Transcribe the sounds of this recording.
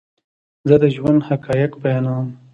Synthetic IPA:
zəd̪əʒwand̪hakɑːjɪkbajɑːnam

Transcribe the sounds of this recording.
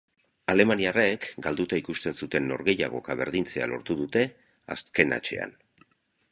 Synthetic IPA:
ale̞maniarekɡald̪ut̪aikust̪e̞nsut̪e̞nːo̞̰ɾɣe̞ja̰ɣ̞o̞̰kaβe̞ɾðint͡se̞a̰lo̞̰ɾt̪uðut̪e̞ | a̰ske̞na̰t͡ʃe̞̰a̰n

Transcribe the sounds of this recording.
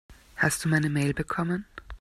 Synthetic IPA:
hast̚d̥uːmaɪnəmeːlbəkʰɔmən

